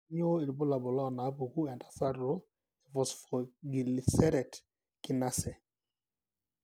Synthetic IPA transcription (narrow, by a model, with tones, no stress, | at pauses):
ɲo˦e˨li˨bɔ˦la˨bɔ˨la˦ɔ˨na˨˦pu˨ku˦ɛ˨ndḁ˨sa˦dɔ˦ | ɛ˨vɔ˨sfɔ˨ɡi˨li˨sɛ˦ɾɛ˨t | ki˨na˦sɛ˨